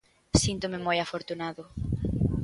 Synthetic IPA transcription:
sint̪omemojafoɾt̪unaðʊ

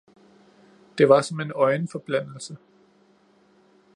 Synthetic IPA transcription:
d̥e̝ʋɑ̈sɒ̽me̝nɒ̽ɪnfɒ̽b̥læn̰l̩sə

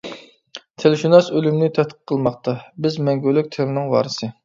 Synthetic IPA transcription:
t̪ʰelɪʃunɑsølymnɪt̪ʰɛt̪̚qʰə̥qʰːəlˠmɑχt̪ɑbɪzmɛŋɡʲylːyk̚ʲt̪ʰeɾɪnɪŋwɑ̰ːɾɨsɨ

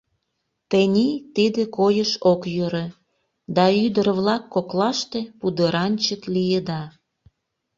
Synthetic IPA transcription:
t̪enʲit̪id̪ekojəʃokjøɾe | d̪ɑyd̪əɾβlɑkːoklɑʃt̪e̽pud̪əɾɑnʲt͡ɕəklijed̪ɑ

